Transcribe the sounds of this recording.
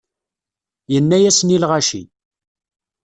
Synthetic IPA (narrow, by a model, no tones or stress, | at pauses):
jənːæjæsnilʁaʃḭ